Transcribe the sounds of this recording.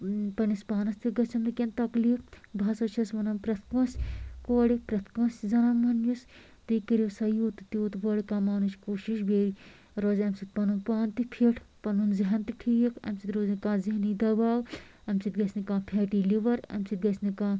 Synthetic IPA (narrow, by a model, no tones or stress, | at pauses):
pɐnispaːnɐst̪ʰiɡɐt͡ʃʰɐmnikʲent̪ɐklifbʱaːsɐt͡ʃʰɐsʋɐnɐnpɾɐt̪ʰkɐ̃ːskoːɽipɾɐt̪ʰkɐ̃szɐnaːmɐnjus | t̪ikiɾisɐjuːt̪t̪iut̪ʋɐɽikãːmaːnut͡ʃʰkoːʃiʃbeːɾi | ɾozɐmsit̪̚pɐnunpaːnt̪ipʰiʈʰpɐnunziɦɐnt̪iʈʰiːikɐ̰msit̪ɾoːznkãːziɦɐnid̪ɐbaːw | ɐmsit̪ɡɐsʰnikãːpʰɛːʈiːliʋɐɾɐ̰msit̪̚ɡɐsʰnikãː